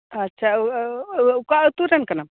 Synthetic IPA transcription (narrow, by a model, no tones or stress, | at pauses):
ɐtːɕʰa | kat̪uɾɐnkɐnam